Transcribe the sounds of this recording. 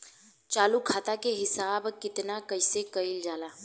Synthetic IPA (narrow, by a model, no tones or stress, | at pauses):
t͡ʃaːlukʰaːt̪akeɦɪsaːbkɪt̪nakəɪsekəild͡ʒaːlaː